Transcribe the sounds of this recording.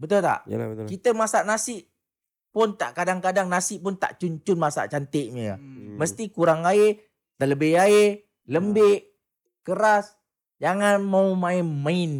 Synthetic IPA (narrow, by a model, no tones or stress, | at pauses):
bət̪ʊlt̪a̰ʔkit̪əmasaʔnasɪʔ | pʊnt̪a̰ʔkadaŋkadaŋnasɪʔpʊnt̪a̰ʔt͡ʃuɲt͡ʃʊnmasa̰ʔt͡ʃant̪ɪʔɲəja̰məst̪ikuɾaŋae | t̪aləbɪhae | ləmbɪʔ | kəɾas | d͡ʒaŋanmaumaɪnmaɪn